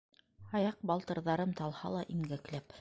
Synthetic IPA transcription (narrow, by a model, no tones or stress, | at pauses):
ɑjɑq̚bɑlˠt̪ɤ̆ɾðɑɾɤmt̪ɑlˠhɑ̰lˠɑʔiŋɡæklæp